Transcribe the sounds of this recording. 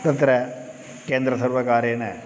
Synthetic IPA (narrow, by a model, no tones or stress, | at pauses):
d̪ɐt̪ːɾɐ | keːnd̪ɾɐsɐrʋɐkaːɾjɐne